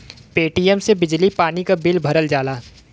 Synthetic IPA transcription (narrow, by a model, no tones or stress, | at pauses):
peːʈijəmsebɪd͡ʒlipaːnikabɪlbʱɐɾəld͡ʒaːlaː